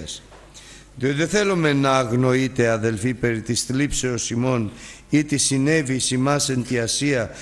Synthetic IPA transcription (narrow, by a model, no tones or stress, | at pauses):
es | ðiot̪eθelomenɐːɣno̞it̪eaðelfipeɾit̪ist̪lipseosimo̞n | it̪isinevisimasent̪iɐsiɐ